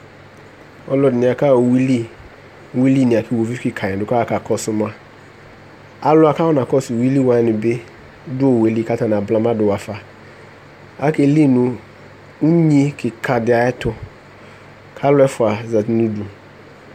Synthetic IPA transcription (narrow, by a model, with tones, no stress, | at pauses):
ɔ˦lɔ˨dɪ˨nɪ̃˨a˨ka˦˨wi˦li˦˨ | wi˦li˦˨nɪ̃˨a˨kʰɪ˦wo˨vi˦fkɪ˨kʰa˨ɛ̃˨dʊ˨˦ka˦a˦ka˨kʰɔ˦sʊ˦mã˦ | a˦lʊ˦a˨kʰa˦wɔ˦nã˨kɔ˦sʊ˨wi˦li˦wa˨nɪ̃˨be˦ | dʊ˦o˨we˨li˦˨ka˦ta˨nã˨bla˦mã˦dʊ˨wa˨fa˨ | a˦ke˨li˦nũ˨ | u˦ɲĩ˦kʰɪ˨kʰa˨dɪ˨a˨ɛ˦tʰʊ˦ | kʰa˦lʊ˦ɛ˦fʊ˨a˨za˨tnũ˦du˨